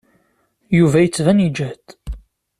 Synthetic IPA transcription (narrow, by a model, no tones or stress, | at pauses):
juvæjət͡sːvænid͡ʒæd̪